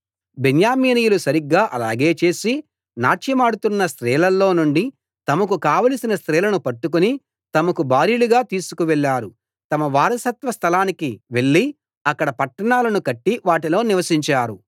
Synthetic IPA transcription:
benjaːmiːnijulusɐɾiɡːaːʔɐlaːɡe̞ːt͡ʃe̞ːsi | naːt͡ʃɐmaːɽut̪unːɐst̪ɾɛːlɐlːo̞ːnuɳɖi | t̪ɐmɐkukaːʋɐlisinɐst̪ɾɛːlɐnupɐʈːukuni | t̪ɐmɐkubaːɾiluɡaːt̪iːsukuʋɛɭːaːɾu | t̪ɐmɐʋaːɾɐsɐt̪ʋɐst̪ʰɐlaːnikiʋe̞ɭːi | ɐkːɐɽɐpɐʈːɐɳaːlɐnukɐʈːiʋaːʈ̬ilo̞ːniʋɐsiɲt͡ʃaːɾu

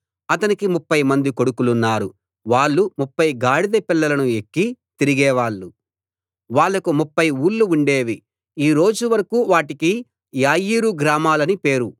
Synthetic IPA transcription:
ɐt̪ɐnikimupːɐjmɐnd̪iko̞ɽukulunːaːɾu | ʋaːɭːumupːɐjɡaːɽid̪ɐpilːɐlɐnue̞kːit̪iɾiɡɛːʋaːɭːu | ʋaːɭːɐkumupːɐjuːlːuuɳɖeːʋi | iːɾo̞ːd͡ʒuʋɐɾɐkuːʋaːʈiki | jaːjiːɾuɡɾaːmaːlɐnipe̞ːɾu

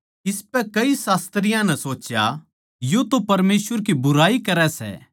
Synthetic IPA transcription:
ɪspɛkɐisaːst̪ɾɪjãnɛsoːt͡ʃja̰ | jot̪opɐɾmeːsʋəɾkibʊɾaːikɐɾɛsɛ̰

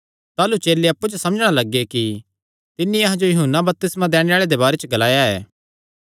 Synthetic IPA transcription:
t̪aːlut͡ʃeːleɐpːud͡ʒosɐ̃məd͡ʒɽ̃alɐɡeki | t̪ɪnːiɐɦãd͡ʒojʊɦunːabɐp̚t̪ɪsmãd̪ɛːɽ̃eaːɭed̪ebaːɾet͡ʃəɡɐlaːjaɛ̰ː

